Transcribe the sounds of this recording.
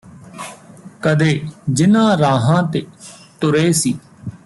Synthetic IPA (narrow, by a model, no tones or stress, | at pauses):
kəd̪eːd͡ʒɪnãːɾaːɦãːt̪eːt̪ʊɾeːsiː